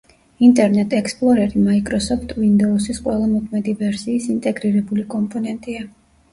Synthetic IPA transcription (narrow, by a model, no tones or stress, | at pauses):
int̪ʼɛɾnɛt̪ʼɛkspʼlˠɔɾɛɾimaikʼɾɔsɔft̪ʰwind̪ɔusisqʼwɛlˠamɔkʰmɛd̪ivɛɾsiːsint̪ʼɛɡɾiɾɛbulikʼɔmpʼɔnɛnt̪ʼia